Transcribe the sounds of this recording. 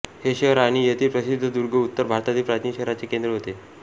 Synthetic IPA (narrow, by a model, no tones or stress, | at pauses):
heɕəɦɾaɽ̃ijet̪ʰiːpɾəsid̪ʱːəd̪uɾɡʱəut̪ːəɾbʱaɾt̪at̪iːpɾat̪ʰniɕəɦɾat͡sekend̪ɾəɦot̪e